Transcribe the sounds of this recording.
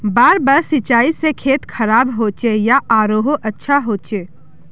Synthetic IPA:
baːɾbaːɾsɪt͡ʃaːisekʰeːt̪kʰɐɾaːbɦoːt͡ʃejaʔaːɾoːɦoʔɐtːʃʰaɦoːt͡ʃeː

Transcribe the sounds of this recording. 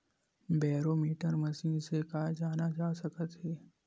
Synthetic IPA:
bɛːɾomiːʈəɾmɐsĩːnsekaːd͡ʒaːnad͡ʒaːsɐkət̪ɦeː

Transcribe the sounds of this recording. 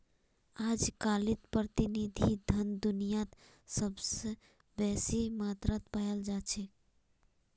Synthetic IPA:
ad͡ʒkalit̪pɾət̪inid̪ʱid̪ʱənd̪unijat̪ | səbse | bɛsimat̪ɾat̪pajəld͡ʒat͡ʃʰɛ

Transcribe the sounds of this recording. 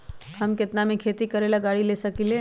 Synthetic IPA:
hɐmkɪt̪namẽkʰeːt̪ikəɾeːlaɡaːɽileːsəkile

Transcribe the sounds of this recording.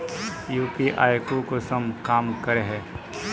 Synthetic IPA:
juːpiʔa̰ːjkokosɐmkaːmkɐɾeɦɛː

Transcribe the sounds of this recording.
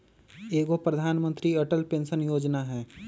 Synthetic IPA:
eːɡopɾɐd̪ʱaːnmə̃nt̪ɾiɐʈəlpẽːnsənjoːd͡ʒnaɦɛː

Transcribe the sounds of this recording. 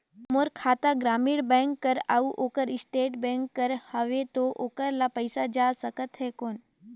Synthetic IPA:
moɾkʰaːt̪aɡɾaːmiɽbɛ̃ŋkːəɾa̰uʔoːkəɾɪsʈeːʈbɛ̃ŋkːəɾhəʋet̪oʔoːkəɾlapəjsad͡ʒasəkət̪ɦɛkoːn

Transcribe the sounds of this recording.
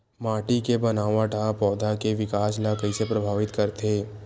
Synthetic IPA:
maːʈikebɐnaːʋãʈʰapɔːd̪ʱakeʋɪkaːslakəisepɾɐbʱaːʋɪt̪kɐɾt̪eː

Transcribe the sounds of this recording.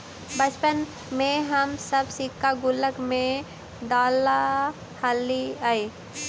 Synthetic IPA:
bət͡ʃpən | mẽɦəmsəbsikːaɡʊləkmẽ | d̪aːla | halːiai

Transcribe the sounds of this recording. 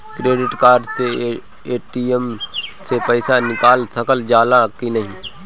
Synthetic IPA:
kɾeːɖɪʈkaːɾt̪eː | eːʈiːemseːpəɪsaːnɪkaːlsəkəld͡ʒaːlãːkiːnəɦĩː

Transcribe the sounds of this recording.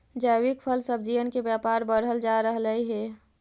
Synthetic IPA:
d͡ʒawɪkpʰəlsəbd͡ʒiʋənkebjaːpaːɾbəɾɦəld͡ʒaɾəɦləiɦɛ

